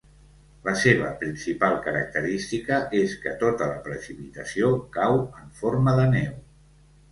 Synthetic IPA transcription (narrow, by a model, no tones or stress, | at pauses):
ləseβəpɾinsipalˠkəɾək̚t̪əɾist̪ikəʔeskə̰t̪ot̪ələ̰pɾəsipit̪əsiokawəɱforməðənɛw